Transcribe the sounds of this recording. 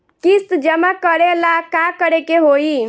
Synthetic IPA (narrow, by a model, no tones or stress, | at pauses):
kist̪d͡ʒəmakəɾelakakəɾekeɦoi